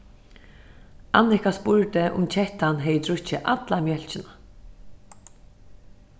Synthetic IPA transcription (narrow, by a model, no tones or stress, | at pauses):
anːɪkaspʊɹt̪ɪʔʊ̰mt͡ʃʰɛht̪anɦɛjɪt̪ʰɾʊt͡ʃːɪʔat̪lamjœl̥t͡ʃɪna